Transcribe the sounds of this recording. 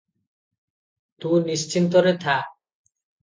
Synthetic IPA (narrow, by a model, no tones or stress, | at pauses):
t̪unist͡ɕʰint̪oɾet̪ʰa